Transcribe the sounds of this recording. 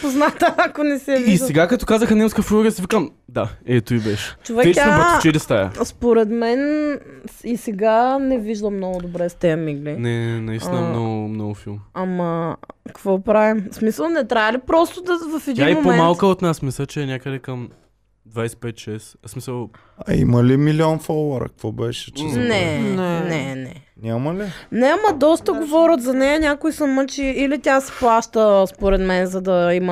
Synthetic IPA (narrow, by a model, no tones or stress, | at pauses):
poznat̪əakonɛsɛvisɛɡakɐt̪ɔkazəxənɛmskəfɾuoɡəsivikəmd̪aɛt̪oibɛʃɛ̥t͡ʃovɛɛapt͡ʃɛd̪ɛst̪ajɐ̰spoɾɛd̪mɛn | isɛɡanɛviʒd̪əmnɔɡʊd̪obɾɛst̪ɛɐmiɡlinɛnɛnɐisinəmnɔɡʊmnɔɡʊfilˠmamɐkɐkvɔpɾavimsmisəlˠnɛt̪ɾʲaəlipɾɔst̪ʊd̪ɐvɐfɛd̪iaimompoɛmalˠkəot̪nasmisɛt͡ʃɛːnʲakəd̪ɛkɐm | d̪vajsɛ̥pɛt̪ʃɛssmisəlˠ | ɐ̰ḭməlimiliɔnfolˠəɾɐ̰kɐkvɔbɛʃɛ̥t͡ʃɛnɛnnɛnɛnʲamɐlinɛɐmɐd̪ɔst̪əɡovɔɾʲət̪zɐnɛjɐnʲakoisɐmət͡ʃiːlit̪ʲasɛ̥plˠaʃt̪əspoɾɛd̪mɛnzɐd̪ɐimə